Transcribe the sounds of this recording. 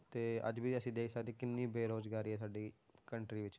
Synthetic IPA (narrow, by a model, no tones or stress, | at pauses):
t̪eːə̰d͡ʒbiːəsĩːd̪eːksaːɾiːkɪnːiːbeːɾoːzɡaːɾiːɦɛːsaːɖiː | kəɳʈɾiːʋɪt͡ʃ